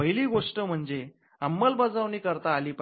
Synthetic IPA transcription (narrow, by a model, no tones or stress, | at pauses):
əɦiliːɡoʂʈəm̤əɳd͡ze | amːəlbəd͡zaʋniːkəɾt̪aːliːp